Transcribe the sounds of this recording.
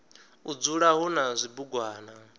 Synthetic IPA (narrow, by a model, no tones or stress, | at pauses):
ud͡zuɺaɦunazʷibuɡwaːna